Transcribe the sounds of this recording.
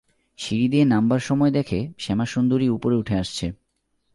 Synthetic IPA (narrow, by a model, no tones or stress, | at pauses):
ʃiɾid̪ienambaɾʃɔmɔed̪ɛkʰeʃɛmaʃund̪oɾiupoɾeuʈʰeaʃt͡ɕʰe